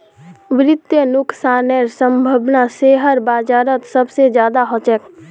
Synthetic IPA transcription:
ʋɪɾɪt̪jənʊksaːnɛːɾsə̃mbʱəbnaseːɦəɾbaːd͡ʒaːɾət̪səbsed͡ʒjaːd̪aɦɔt͡ʃɛk

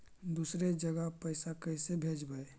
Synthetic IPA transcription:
d̪uːsɾed͡ʒəɡəɦpəɪsakəɪsebʱeːd͡ʒbəe

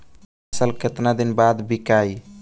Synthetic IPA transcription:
səlket̪nad̪inbad̪bikai

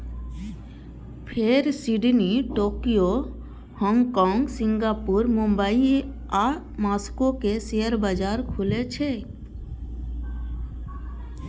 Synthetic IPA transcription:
pʰeɾsiɖniʈoːkijo | hɔ̃ŋɡkɔːŋɡsɪ̃ŋɡaːpuɾmʊ̃mbəi | a | maːskokeseəɾbəd͡ʒaːɾkʰʊlet͡ʃʰe

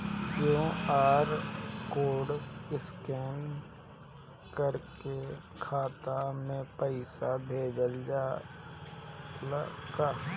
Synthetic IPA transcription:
d͡ʒõaːɾkoːɖɪskɛːn | kəɾkekʰaːt̪amẽpəɪsabʱeːd̪əld͡ʒaː | lɡa

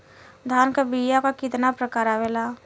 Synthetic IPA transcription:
d̪ʱaːnkabijakakɪt̪napɾəkaːɾaʋelaː

